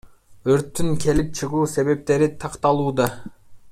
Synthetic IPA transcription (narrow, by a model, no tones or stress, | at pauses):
øɾt̪ːyŋkʰe̞lip̚t͡ʃʰɯʁuːse̞βe̞p̚t̪e̞ɾit̪ʰɑqt̪ɑlˠuːd̪ɑ